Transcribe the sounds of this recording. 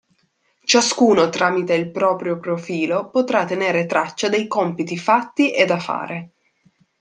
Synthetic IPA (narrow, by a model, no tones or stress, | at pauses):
t͡ʃaskuːnot̪ɾaːmit̪eilpɾɔːpɾjopɾofiːlopot̪ɾat̪ːeneːɾet̪ɾat͡ʃːad̪ejkɔmpit̪ifat̪ːiʔed̪afa̰ːɾe